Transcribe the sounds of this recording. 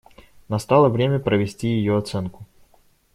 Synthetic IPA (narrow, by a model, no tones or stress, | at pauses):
nɐst̪alˠəvɾʲemʲəpɾəvʲɪsʲtʲijɪjoɐt̪sɛnkʊ̥